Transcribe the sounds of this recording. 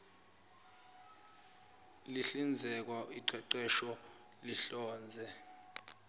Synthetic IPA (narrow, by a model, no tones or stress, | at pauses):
liɬind͡zʱɛk̬waiǃwɛǃwɛʃɔ | liɬɔːnd͡zʱɛ